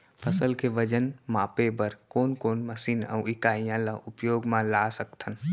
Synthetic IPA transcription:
pʰəsəlkʰeʋəd͡ʒənmapebəɾkoːnkoːnməsiːna̰wɪkaːijãlaʔupjoːɡmãlasəkt̪ʰən

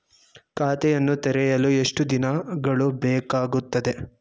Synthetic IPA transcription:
kaːt̪ɛjɐnːut̪ɛɾɛjɐlueʂʈud̪inɐɡɐɭubɛːkaːɡut̪ːɐd̪e̞

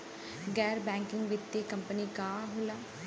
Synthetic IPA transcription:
ɡɛːɾbɛ̃ːŋkɪŋɡʋɪt̪ːeːkəmpəniːkaːɦoːlaː

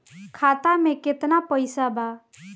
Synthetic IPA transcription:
kʰat̪ameket̪napəjsaba

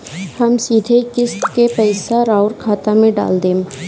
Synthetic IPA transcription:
hɐmsiːd̪ʱekɪst̪kepɛɪsaɾaːʊɾkʰaːt̪amẽɖa̰ːld̪eː

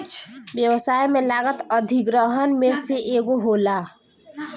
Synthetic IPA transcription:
t͡ʃbjəwsaːjmẽlaɡət̪əd̪ʱiɡɾəɦənmẽseʔeːɡoɦola

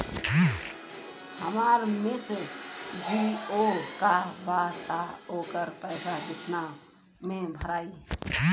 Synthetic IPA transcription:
həmaːɾmɪsɾd͡ʒiokabaːt̪aoːkəɾpɛːsad̪ɪt̪ʰna | mẽbʱəɾaːi

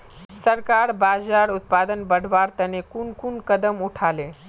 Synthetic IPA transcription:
səɾkaɾbad͡ʒaɾut̪̚pad̪ənbəɽ̤ʱʋaɾt̪ənekunkunkəd̪əmuʈʰale

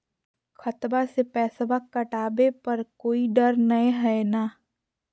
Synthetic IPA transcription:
xʰɐt̪basepɛːsbakːɐʈaːbepɐɾkoːiɖɐɾnɐeɦɛenaː

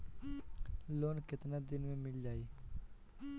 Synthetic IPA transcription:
loːnkɪt̪naːd̪ɪnmẽmɪld͡ʒaːiː

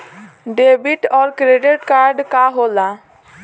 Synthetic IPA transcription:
ɖebiʈɔɾkɾeɖeʈkaɾɖkaɦola

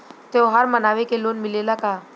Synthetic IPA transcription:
t̪eoɦəɾmənaːʋekeloːnmɪlelakaː

